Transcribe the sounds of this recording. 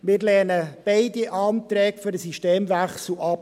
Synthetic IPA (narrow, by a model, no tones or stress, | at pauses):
mɪːɾlɛːnəb̥eɪdiʔɑːnt̪ɾɛːkføɾdəsiʃteːmvæχsl̩ɑp̚